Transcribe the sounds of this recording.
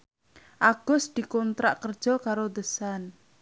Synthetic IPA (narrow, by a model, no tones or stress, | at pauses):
ʔaɡ̥ʊ̤sd̪̥i̤kɔnt̪ɾa̰ʔkər̥ʒ̥ɔ̤kaɾod̪əsan